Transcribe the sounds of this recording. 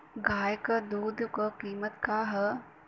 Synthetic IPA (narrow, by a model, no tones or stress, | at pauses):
ɡaːjkəd̪uːd̪ʱkəkiːmət̪kaːɦɐ